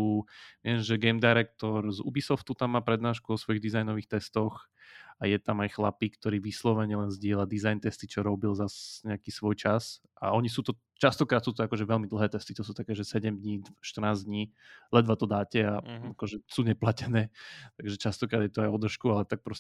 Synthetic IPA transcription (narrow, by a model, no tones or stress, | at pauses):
uːʋɪɛnʒɛɡɛjmd̪ajɾɛk̚t̪ɔɾzṵbisɔft̪ut̪amːaːpɾɛd̪naːʃkuɔsʋɔjiɣd̪izajnɔʋiːxt̪ɛst̪ɔxajɛt̪amajxlapikt̪ɔɾiːʋislɔʋɛɲɛlɛnzɟɪɛlad̪izajnt̪ɛst̪it͡ʃɔɾɔbilzasɲɛakiːsʋɔjt͡ʃas | ʔa̰ɔɲisuːt̪ɔ | t͡ʃast̪ɔkɾaːt̪suːt̪ɔakɔʒɛʋɛlmid̪l̩ˠɦɛːt̪ɛst̪it̪ɔsuːt̪akɛːʒɛsɛɟɛmd̪ɲiːʃt̪ər̩naːzd̪ɲiː | lɛd̪ʋat̪ɔd̪aːcɛaakɔʒɛsuːɲɛplacɛnɛːt̪aɡʒɛt͡ʃast̪ɔkɾaːd̪jɛt̪ɔajɔd̪r̩ʃkualɛt̪ak̚pɾɔs